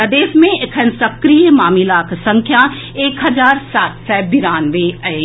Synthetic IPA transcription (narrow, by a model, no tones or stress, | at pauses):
əd̪eːʃmẽkʰənsɐkɾijmaːmilaːkʰsɐ̃ŋkʰja | eːkɦɐzaːɾsaːt̪sɛbiɾaːnʋeɐ